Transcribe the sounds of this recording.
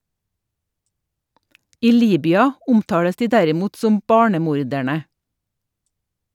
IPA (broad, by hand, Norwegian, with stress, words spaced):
ˈiː ˈliːbʏɑ ˈʊmˌtɑːɽəs ˈdiː ˈdæɾɪˌmuːt ˈsɔm ˈbɑːɳəˌmuːɾdæɳə